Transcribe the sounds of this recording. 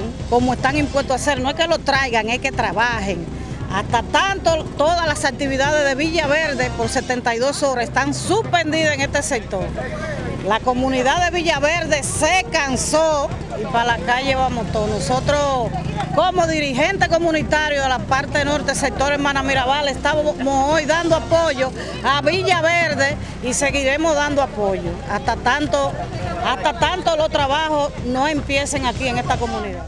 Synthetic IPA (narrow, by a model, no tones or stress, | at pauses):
ŋkomoe̞st̪aŋimpwe̞st̪oase̞ɾnoehke̞lo̞t̪ɾajɣaŋeke̞t̪ɾaβaheŋ | a̰st̪at̪ant̪ot̪o̞ðahlasak̚t̪iβiðað̞ezðe̞βiʝaβe̞ɾðepo̞ɾse̞t̪e̞nt̪ajðoso̞ɾaest̪aŋsuhpe̞nd̪iðaeŋe̞st̪e̞sek̚t̪oɾ | lako̞mũniðaðe̞β̞iʝaβeɾðe̞sekanso | ipalakaʝeβamoht̪onoso̞t̪ɾokomoðiɾiɦe̞nt̪e̞ko̞mũnit̪aɾjoalapaɾt̪eno̞ɾt̪e̞se̞k̚t̪o̞ɾemãnameɾaβalest̪amosojðand̪oapo̞ʝo̞ | aβiʝaβeɾðe̞ | ise̞ɣiɾe̞moðand̪oapo̞ʝoaht̪at̪ant̪oaht̪at̪ant̪olo̞ht̪ɾaβahosnõ̞e̞mpje̞seŋakie̞ŋe̞st̪ako̞mũniða